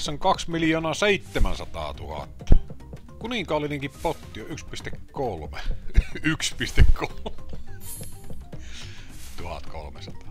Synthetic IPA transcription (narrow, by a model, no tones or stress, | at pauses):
sːɑŋkɑksmiljoːnɑseit̪ːemæ̰nsɑt̪ɑ̰ːt̪uhɑ̰t̪ːɑ | kuniŋkɑˑolːineŋkippot̪ːioykspist̪ekkolmeykspist̪ekʰːol | t̪uhɑ̰t̪ko̰lmḛsɑt̪ɑ̥ː